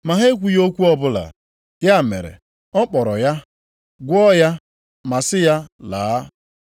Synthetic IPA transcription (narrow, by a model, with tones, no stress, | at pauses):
ma˨ɦe˦kʷu˦jo˦kʷu˦ɔ˦bʊ˦la̰˨ | ja˦˨mḛ˨ɾḛ˨ | ɔ˦k͡pɔ˨ɾɔ˨ja˦ | ɡʷɔ˦ja˦ | ma˨sɪ˦ja˦laː˨˦